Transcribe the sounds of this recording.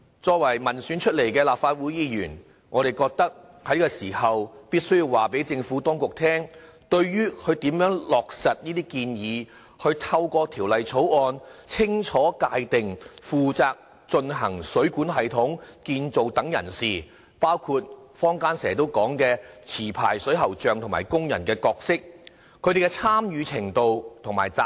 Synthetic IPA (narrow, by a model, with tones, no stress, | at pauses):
t͡sɔː˧k̚wɐ˨˩jmɐ˨˩nsyː˨˥nt͡ʃʰɵ˥t̚le˨˩jkɛː˧laː˨p̚faː˧t̚wuː˨˥jiː˧jyː˨˩n | ŋɔː˨˧ɾe˨jkɔː˧k̚t̪ɐ˥k̚ | hɐ˨˥jkɛː˧siː˨˩hɐ˨wpiː˥t̚sɵ˥ɥji˧waː˨pe˨˥jt͡sɪ˧ŋfuː˨˥t̪ɔː˥ŋkʊ˨k̚t̪ʰɛː˥ŋ | t̪ɵ˧ɥɥyː˥kʰɵ˨˧ɥt̪iː˨˥mjœː˨˥ŋlɔː˨k̚sɐ˨t̚niː˥t̪iː˥kiː˧njiː˨˧ | hɵ˧ɥt̪ʰɐ˧wkɔː˧t̪ʰiː˨˩wlɐ˨jt͡sʰo˨˥wɔː˧nt͡sʰɪ˥ŋt͡ʃʰɔː˨˥kaː˧jt̪ɪ˨ŋfuː˨˧t͡saː˧k̚ | t͡ʃɵ˧nɦɐ˨˩ŋsɵ˨˥ɥkuː˨˥nɦɐ˨jt̪ʰʊ˨˥ŋkiː˧nt͡so˨wt̪ɐ˨˥ŋjɐ̰˨˩nsiː˨ | paː˥wkʰuː˧t̚fɔː˥ŋkaː˥nsɛː˨˩t̪o˥wkɔː˨˥ŋkɛː˧t͡sʰiː˨˩pʰa̰ː˨˩jsɵ˨˥ɥɦɐ˨˩wt͡ʃœː˨ŋt̪ʰʊ˨˩ŋma̰ː˨˩jkʊ˥ŋjɐ̰˨˩nkɛː˧kɔː˧k̚sɪ˥k̚ʰ | ɵ˨˧˥d̪e˨˩kɛ˧t͡sʰaː˥mjyː˨˧t͡sʰɪ˨˩ŋt̪o˧wt̪ʰʊ˨˩ŋma̰ː˨˩jt͡saː˧